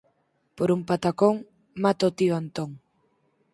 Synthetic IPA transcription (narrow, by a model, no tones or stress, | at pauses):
poɾumpat̪akoŋ | mat̪aot̪ioant̪oŋ